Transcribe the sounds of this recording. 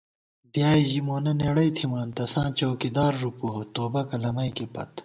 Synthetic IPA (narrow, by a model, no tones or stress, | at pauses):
d̪jaːiʑimoːnɐneːɽɐjt̪ʰimãːnt̪ɐsãːt͡ɕoːkid̪aːɾʐuput̪oːbɐkɐlɐmɐjkipɐ̰t̪